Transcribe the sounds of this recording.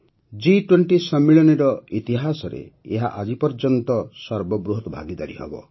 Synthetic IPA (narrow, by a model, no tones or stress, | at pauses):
d͡ʒiʈweɳʈisɔmːiɭɔniɾɔit̪iɦasɔɾḛeɦa̰ʔad͡ʒipɔɾd͡ʒɔnt̪ɔsɔɾbɔbɾuɦɔt̪ɔbʱa̰ɡid̪aɾiɦɔ̰bɔ̰